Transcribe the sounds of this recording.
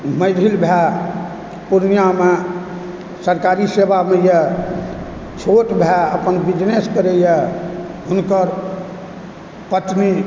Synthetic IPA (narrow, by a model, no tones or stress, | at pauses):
məɾʱilbʱɛ | puɾnijame | səɾkaɾisebamejɛ | t͡ʃʰoʈbʱɛəpənbid͡ʒneskəɾejɛɦunkəɾ | pət̪ni